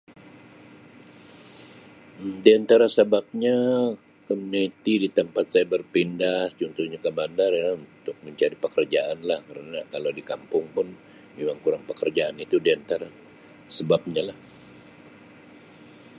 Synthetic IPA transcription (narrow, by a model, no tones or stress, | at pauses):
diant̪aɾasəbap̚ɲa | kəmunit̪idit̪əmpat̪̚sajabərpindaht͡ʃunt̪uhɲakəbandarjaunt̪ʊk̚məɲt͡ʃaɾipəkərd͡ʒaʔanlahkəɾənakalawdikampʊŋpʊn | bimaŋkuɾaŋpəkərd͡ʒaanit̪udiant̪aɾa | səbap̚ɲalah